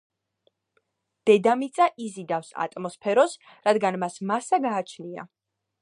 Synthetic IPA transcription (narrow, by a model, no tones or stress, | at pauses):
d̪̥ɛd̪amit̪sʼaʔizid̪afsa̰t̪ʼmɔspʰɛɾɔs | ɾad̪ɡanmasmasaɡaːt͡ʃʰnia̰